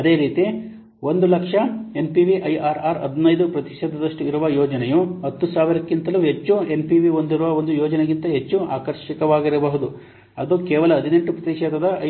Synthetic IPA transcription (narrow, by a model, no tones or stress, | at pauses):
ɐd̪e̞ːɾiːt̪i | ʋo̞nd̪ulɐkʂɐe̞mpiʋiʔɐjaːɾaːɾɐ̰d̪ʱnɐjd̪upɾɐt̪iʃɛd̪ɐd̪ɐʂʈuiɾuʋɐjɔːd͡ʒɐnɛjuɦɐt̪ːusaːʋiɾɐkːint̪ɐluɦet͡ʃːue̞mpiʋiond̪iɾuʋɐond̪ujɔːd͡ʒɐneɡint̪ɐɦet͡ʃːua̰ːkɐɾʃikɐʋaːɡiɾɐbɐɦud̪u | ɐd̪ukɛːʋɐlɐːd̪ʱine̞ɳʈupɾɐt̪iʂɛd̪ɐd̪ɐ